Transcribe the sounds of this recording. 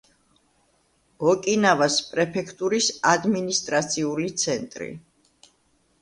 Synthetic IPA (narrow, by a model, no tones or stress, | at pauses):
ɔkʼinavaspʼɾɛpʰɛkʰt̪ʼuɾisad̪minist̪ʼɾat̪sʰiulit̪sʰɛnt̪ʼɾḭ